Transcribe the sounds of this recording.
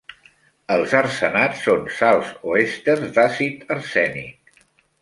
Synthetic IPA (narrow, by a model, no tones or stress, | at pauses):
əlˠzərsənasːonsalˠzoest̪ərzd̪asit̪ərsɛnḭk̚